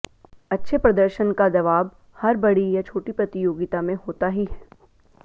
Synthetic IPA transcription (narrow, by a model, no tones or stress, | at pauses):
ɐtːʃʰepɾɐd̪əɾʃənkad͡ʒɐʋaːb | hɐɾbɐɽijat͡ʃʰoːʈipɾɐt̪ijoːɡɪt̪amẽɦoːt̪aɦiɦɛː